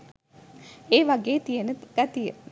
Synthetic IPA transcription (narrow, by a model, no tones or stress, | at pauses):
eːʋɐɡeːt̪ijenəɡ̥at̪ijə